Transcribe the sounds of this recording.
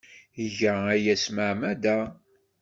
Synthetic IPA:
əʝææjæsməʕmæd̪æ

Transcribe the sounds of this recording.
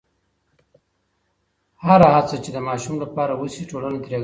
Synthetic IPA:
haɾahat͡sət͡ʃed̪əmɑʃumlapɑɾawusiʈolanat̪ɾjaɡ

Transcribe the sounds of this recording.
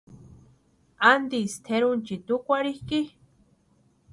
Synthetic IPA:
and̪ist̪ʰeɾunt͡ʃit̪ukʷaɾihki

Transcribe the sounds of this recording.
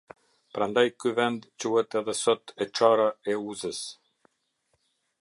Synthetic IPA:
pɾand̪ajkyvɛnd̪t͡ɕuhɛt̪ɛðɛsɔt̪ʰɛʈ͡ʂaɾaɛuzəs

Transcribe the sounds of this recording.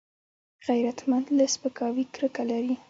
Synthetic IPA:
ɣajɾat̪mand̪laspəkɑwikɾəkalaɾi

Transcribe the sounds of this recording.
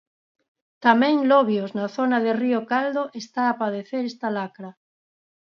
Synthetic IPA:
t̪amɛ̃ŋlɔβjoznaθonaðeriokald̪oʔest̪aːpað̞eθeɾest̪alakɾɐ

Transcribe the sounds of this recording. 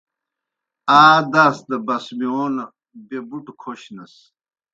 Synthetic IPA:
aːd̪aːsd̪ɐbɐsmionɐ | bebuʈkʰoɕnɐs

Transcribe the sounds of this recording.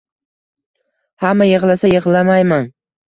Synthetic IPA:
hamːajɪʁlˠasajɪʁlˠamajman

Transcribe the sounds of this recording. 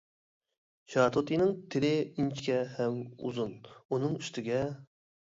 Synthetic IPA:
ʃɑːt̪ʰot̪ʰijnɪŋt̪ʰɪlɪint͡ʃʰkʲɛhɛmṵzununɨŋyst̪ɪɡʲɛ

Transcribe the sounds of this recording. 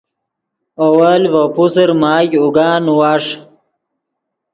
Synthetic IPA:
owalwopusəɾmaːjuɡaːnwaːʂ

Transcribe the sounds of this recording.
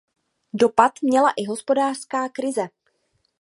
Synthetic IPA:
do̞pat̪mɲɛlaʔɪɦo̞spo̞daːr̥skaːkɾɪzɛ

